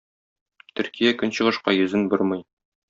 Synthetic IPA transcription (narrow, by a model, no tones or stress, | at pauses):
t̪ɵ̆ɾkijækɵnɕɤ̆ʁɤ̆ʃqɑjɵ̆zɘnboɾmɤj